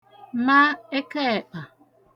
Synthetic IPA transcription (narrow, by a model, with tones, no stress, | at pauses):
ma˦e˦ke˦e˨k͡pa˨